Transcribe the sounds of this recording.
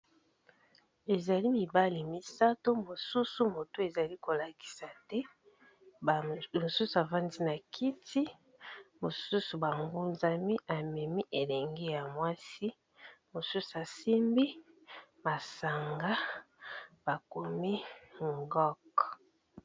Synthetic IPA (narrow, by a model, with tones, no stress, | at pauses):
e˨za˨li˦mi˨ba˦li˨mi˦sa˦to˦mo˨su˦su˦mo˨to˦e˨za˨li˦ko˨la˨ki̥˨sa˨tɛ˦˨ | mo˨su˦su˨a˨va˦ndi˦na˨kʰi˦tʰi˦ | mo˨su˦su˨ba˨ŋɡu˦nza˦mi˦ʔa˨mɛ˨mi˦ʔe˨lɛ˨ŋɡe˦ja˨mwa˦si˦ | mo˨su˦su˨a˨si˦mbi˦ma˨sa˨ŋɡa˦ | b̥a˨ko˨mi˦ŋɡɔ˦k